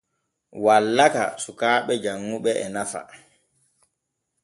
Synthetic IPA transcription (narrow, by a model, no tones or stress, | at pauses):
walːaka̰sukaːɓɛd͡ʒaŋːuɓɛʔɛnafa̰